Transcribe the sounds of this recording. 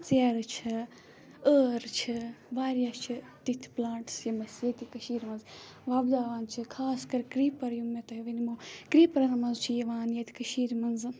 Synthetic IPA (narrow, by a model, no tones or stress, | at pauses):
t͡seːɾɨt͡ʃʰɐ | əːɾt͡ʃʰibaːɾijaːst͡ʃʰi | t̪it̪ʰplaːɳʈsjɐmɐsjet̪ikɐʃiːɾmɐnz | ʋaːbd̪aːʋaːnt͡ʃʰɨkʰaːskɐɾkɾiːpɐɾjumet̪ɐjʋinimoːkɾiːpɐɾɐnɐmɐnzt͡ʃʰijɐʋaːnjet̪ʰi̥kɐʃiːɾmɐnzɨ